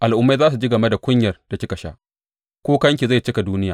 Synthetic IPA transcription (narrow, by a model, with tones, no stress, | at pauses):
ʔa˨lʔʊ˨˦mːa˦zaː˦s̬u˨d͡ʒi˦ɡɐ˨me˦da˨kʷʊ˦ɲjɐ˨rd̥a˨kʲɪ˦kɐ˨ʃa̰˦ | kʷoː˦kɐ˦ŋkʲi˨za˦˨jt͡ʃɪ˦ka˨duː˦nɪ˦jaː˨